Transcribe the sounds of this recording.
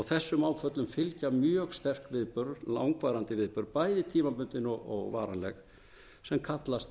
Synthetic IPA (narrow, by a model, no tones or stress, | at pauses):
ɔɣθɛsːʏmaːwfœt̪lʏmfɪlcamjœːɣst̪ɛr̥kvɪðpœɾla̰wŋkvaːɾant̪ɪvɪðpœɾpaːjðɪt̪ʰiːmapʏnt̪ɪnɔɣɔ̰ɣva̰ːɾanlɛ̰x | sɛmkʰat̪last̪